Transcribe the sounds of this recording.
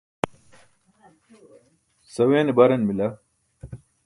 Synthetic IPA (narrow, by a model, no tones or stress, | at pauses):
sɐweːnebɐɾɐnmilɐ